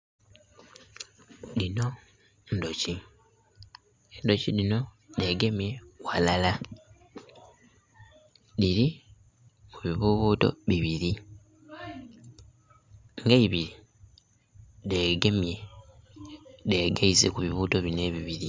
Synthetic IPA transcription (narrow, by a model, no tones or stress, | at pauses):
lino̞ | ndo̞ci | endo̞cilino̞ | de̞ɡe̞mje̞walala | liɾi | muβiβuβuːto̞̰βiβiɾi | ŋɡeiβiɾi | ðe̞ːɡe̞mje̞ | ðe̞ːɡaizekuβiβuːto̞βine̞βiβiɾi